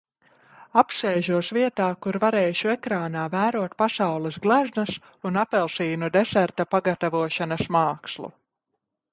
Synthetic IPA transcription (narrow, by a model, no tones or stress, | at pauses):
apsɛːʒuɔsviɛt̪aːkuɾvaɾɛːʃuɛkɾaːnaːvæːɾuɔt̪pasawlˠɛsɡlˠæznɐs | unapɛlˠsiːnud̪ɛsæɾt̪apaɡat̪avuɔʃanɐsmaːkslˠṵ